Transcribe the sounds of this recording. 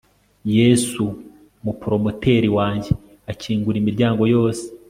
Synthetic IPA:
je̞su | mupɾo̞mote̞ːɾiwaːɲɟe | aciːŋɡuɾimiɾɟaːŋɡo̞jo̞ːse̥

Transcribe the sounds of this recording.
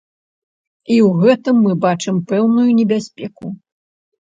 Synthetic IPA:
iwɣɛt̪ɨmːɨbat͡ʂɨmpɛwnujunʲɛbʲasʲpʲɛku

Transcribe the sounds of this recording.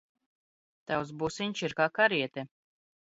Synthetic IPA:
t̪aws̬busiɲʲt͡ʃiɾkaːkaɾiɛt̪ɛ

